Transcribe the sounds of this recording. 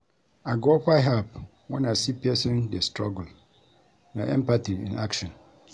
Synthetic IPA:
aɡɔkaɦɛlp | wɔ̃nãsipʰɛsɪ̃ndɛstɹɔɡul | nãɛ̰̃mpatʰiḭ̃na̰kʃɔ̃n

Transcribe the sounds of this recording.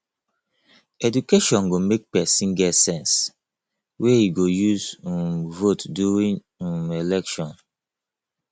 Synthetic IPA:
ɛdukeʃɔ̃nɡomek̚pɛsĩnɡɛsɛ̃ns | wɛhiɡojuzmvotduɹĩŋ | elɛkʃɔ̃n

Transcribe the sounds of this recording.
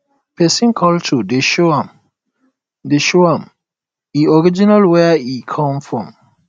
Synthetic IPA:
pʰɛsĩnkʰɔltʰudeʃoãm | deʃoãm | iɔɹid͡ʒinalwɛikʰɔ̃mfɹɔ̃m

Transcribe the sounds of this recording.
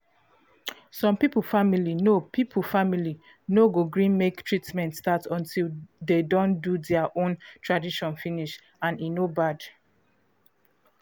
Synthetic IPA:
sɔ̃mpipl̩familinopʰipʰfamili | noɡoɡɹĩnmektʰɹitmɛ̃ntstatɔ̃ntʰildedõndudɛaʔõntʰɹadiʃɔ̃nfiniʃ | ãninobad

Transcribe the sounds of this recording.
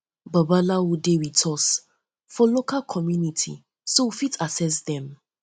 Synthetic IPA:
babalawudewitʰɔs | fɔlokalkʰɔmjunitʰḭ | sowufitʰasɛs̬dɛ̃m

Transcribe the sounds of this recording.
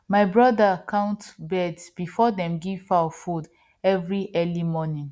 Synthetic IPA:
maɪbɹɔdakʰãʊ̃ntbɛdsb̥ifɔdɛ̃mɡiv̥faɔfud | ɛvɹiʔɛlimɔnĩŋ

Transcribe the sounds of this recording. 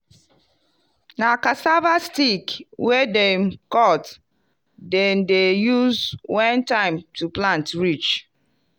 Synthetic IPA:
nakasavastikwɛdemkɔt | dendejuzwãntãɪ̃mtuplãntɹit͡ʃ

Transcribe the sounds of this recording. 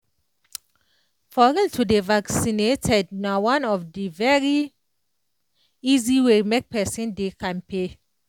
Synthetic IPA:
fɔɹiltʰudevaksinetʰɛd̚nawãnɔfdivɛɹi | iziwemek̚pɛsĩndekʰãnpe

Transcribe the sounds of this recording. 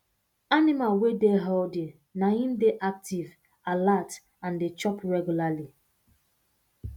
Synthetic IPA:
animalwedeɦɔldi | nahĩmdeʔak̚tiv | alat | ãndet͡ʃɔpɹɛɡjulali

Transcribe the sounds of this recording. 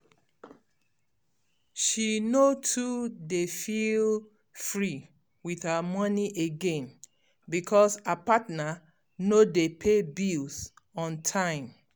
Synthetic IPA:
ʃinotʰudefil | fɹi | wiðhəmɔniʔeɡẽn | bikʰɔsapatna | nodepʰebils | ɔ̃ntʰãɪ̃m

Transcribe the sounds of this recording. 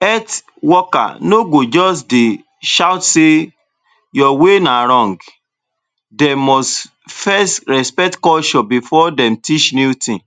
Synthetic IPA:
ɛt | wɔka̰noɡod͡ʒɔsde | ʃaʊtse | jɔwenaɾɔ̃ŋɡ | dɛmɔst | fɛsɾɛspɛtkɔʃɔ̃bifɔdɛ̃mtit͡ʃnutĩ

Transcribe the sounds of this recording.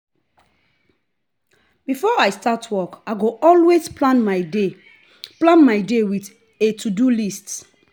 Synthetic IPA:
bifɔaɪstatʰwɔkaɪɡoʔɔlwesplãnmade | plãnmaɪdewit | etʰudulists

